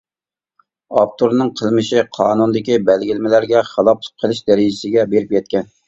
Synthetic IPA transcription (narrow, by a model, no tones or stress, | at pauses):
ɑp̚t̪ʰoɾnɨŋqʰəlˠmɨʃiqʰɑːnunɨd̪ɪkʲibɛlɡʲilmɪlæɾɡʲɛχəlˠɑpʰqʰəlˠɨʃd̪ɛɾɪd͡ʒɪsɪɡʲɛbeɾɪpjɛt̪̚kʲɛn